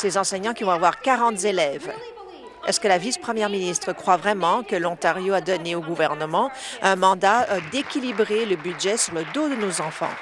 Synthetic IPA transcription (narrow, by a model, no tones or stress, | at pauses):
sezɑ̃sɛɲɑ̃kʲivɔ̃avwaʁkaʁɑ̃t̪zelɛv | ɛ̰skəlavispχəmjɛʁminist̪χəkχwavʁɛmɑ̃kəlɔ̃t̪aʁjoad̪ɔneoɡuvɛʁnəmɑ̃ɛ̃mɑ̃d̪ad̪ekʲilibʁeləbyd̪ʒɛsyʁləd̪od̪ənozɑ̃fɑ̰̃